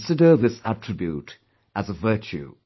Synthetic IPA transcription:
sɪdə˞ðɨsætʰɹ̥ɪbjʉɾ | ʔəzəvɜˑ˞t͡ʃʉ̰

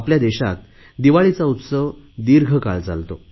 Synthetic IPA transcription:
apljad̪eɕa̰t̪̚ | d̪iʋaɭit͡saut̪səʋ | d̪iɾɡʱəkalt͡sa̰lt̪o

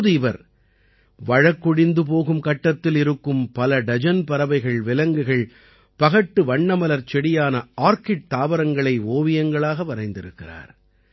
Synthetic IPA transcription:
ðɯɪʋɐɾ | ʋɐɻɐkːʊɽɪnd̪ɯp̬oːɣɯmkɐʈːɐt̪ːɪlɪɾɯkːɯmpɐlɐɖɐd͡ʒɐnpɐɾɐʋɐɪɣɐɭʋɪlɐŋɡɯɣɐɭ | pɐɣɐʈːɯʋɐɳːɐmɐlɐɾt͡ʃɛɽɪjaːnɐaːɾkɪʈ̚t̪aːʋɐɾɐŋɡɐɭɐɪoːʋɪjɐŋɡɐɭaːɣɐʋɐɾɐɪnd̪ɪɾɯkːɪra̰ːɾ

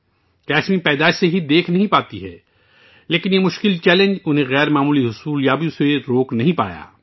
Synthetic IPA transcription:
kɛːʃmĩpɛːd̪aːɪʃseɦid̪eːkʰnɐɦĩpaːt̪iɦɛ̰ː | leːkɪnjemʊʃkɪlt͡ʃɛːlẽɲd͡ʒʊnɦẽɣɛːɾmaːmuːliɦʊsuːljaːbijõseɾoːknɐɦĩpa̰ːja̰ː

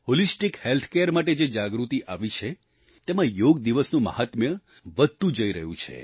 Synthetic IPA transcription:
holisʈikhelt̪ʰkeəɾmaʈ̬ed͡ʒed͡ʒaɡɾut̪iʔaʋit͡ʃʰe | t̪emãjoɡd̪iʋəsnũmə̰ɦat̪mjə | ʋəd̪̚ʱt̪ũd͡ʒəiɾəɦṵ̃t͡ʃʰḛ

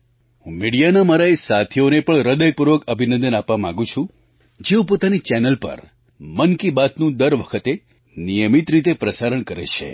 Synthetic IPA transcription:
ɦũmiɽijanamaɾaesat̪ʰionepəɳɾəd̪əjpuɾʋəkəbʱinə̃nd̪ənapʋamãŋɡũt͡ʃʰũ | d͡ʒeũpot̪anit͡ʃɛnəlpə̰ɾ | mənkibat̪nũd̪əɾʋəkʰət̪e | nijəmit̪ɾit̪epɾəsaɾəɳkəɾḛt͡ʃʰḛ

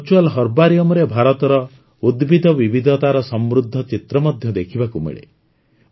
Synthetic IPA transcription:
t͡ʃualɦɔɾbaɾiɔmɔɾebʱaɾɔt̪ɔɾɔ | ud̪bid̪ʱɔbibid̪ʱɔt̪aɾɔsɔmɾud̪ʱːɔt͡ʃit̪ɾɔmɔd̪ʱjɔd̪ekʰibakumḛɭḛ

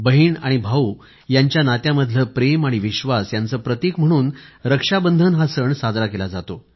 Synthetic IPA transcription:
bəɦiːɳaɽ̃ibʱau | jaɲt͡ɕjanat̪jaməd̪ʱləpɾemaɽ̃iʋiɕʋasjant͡səːpɾət̪ikm̤əɽ̃uːnɾəkʂabənd̪ʱənɦasəɳsad͡z̪ɾakelad͡zat̪o

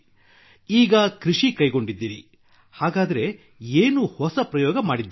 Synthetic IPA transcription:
iːɡɐkɾiʂikɐjɡo̞ɳɖid̪ːiːɾi | haːɡaːd̪ɐɾe̞ | eːnuhɔsɐpɾɐjɔːɡɐmaːɽid̪ː

